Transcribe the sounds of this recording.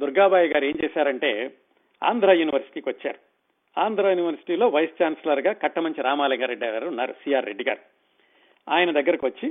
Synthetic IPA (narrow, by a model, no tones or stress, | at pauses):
d̪uɾɡaːbaːjɐɡaːɾe̞ːɲt͡ʃɛːsaːɾɐɳʈe̞ː | a̰ːnd̪ɾaːjuːniʋɐɾsi̥ʈiːkiʋɐt͡ʃːaːɾu | aːnd̪ɾaːjuːniʋɐɾsi̥ʈiːlo̞ːʋɐjst͡ʃaːnselɐɾɡaːkɐʈːɐmɐɲt͡ʃiɾaːmaːlɐŋɡaːɾeɖːiɾunːaːɾusijaːɾːeɖːiɡa̰ːɾu | aːjɐnɐd̪ɐɡːɐɾɐkiʋɐt͡ʃːi